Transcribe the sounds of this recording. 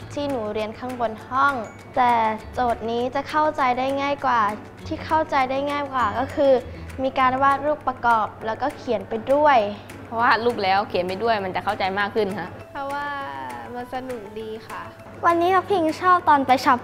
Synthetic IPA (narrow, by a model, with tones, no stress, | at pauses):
t̪ʰiː˥˩nuː˩˦ɾi˧ənkʰaː˧˥˩ŋbo˧nhɔ˥˩ŋ | t̪ɛː˨˩t͡ɕoː˨˩t̪̚niː˦˥t͡ɕa˨˩kʰa˥˩wt͡ɕa˧jdaː˥˩jŋaː˥˩jkwaː˨˩ | t̪ʰiː˥˩kʰa˥˩wt͡ɕa˧jdaː˥˩jŋaː˥˩jkwaː˨˩kɔː˥˩kʰɯː˧miː˧kaː˧nwaː˥˩t̪̚luː˥˩p̚ːɾa˧kɔː˨˩p̚lɛː˦˥wkɔː˥˩kʰi˨˩˦npa˧jdu˥˩əj | pʰɔ˦˥waː˥˧˩luː˥˩p̚lɛː˦˥wkʰi˨˩˦npa˧jdu˥˩əjma˧nt͡ɕa˨˩kʰa˥˩wt͡ɕa˧jmaː˥˩kʰːɯ˥˩nkʰa˦˥ʔ | pʰɔ˦˥waː˥˩ma˧nsa˧nu˨˩k̚diː˧xa˥˩ | wa˧nːiː˦˥kʰa˧˥pʰi˧ŋt͡ɕʰɔː˥˩p̚t̪ɔː˨˧npa˧jt͡ɕʰa˦˥p̚